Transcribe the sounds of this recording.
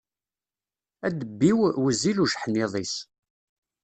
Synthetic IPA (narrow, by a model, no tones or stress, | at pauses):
æd̪əbːiwwəziluʒħniðˤis